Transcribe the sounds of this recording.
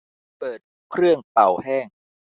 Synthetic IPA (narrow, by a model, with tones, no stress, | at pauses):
pɤː˨˩t̪̚ | kʰɾɯ˥˩əŋpa˨˩whɛː˥˩ŋ